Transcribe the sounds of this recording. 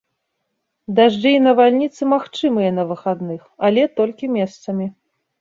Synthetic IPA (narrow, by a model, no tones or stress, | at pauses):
d̪aʐd͡ʒɨinɐvalʲnʲit̪sɨmaxt͡ʂɨmɨjɐnɐvɨxad̪nɨxalʲɛt̪ɔlʲkʲimʲɛst̪sɐmʲi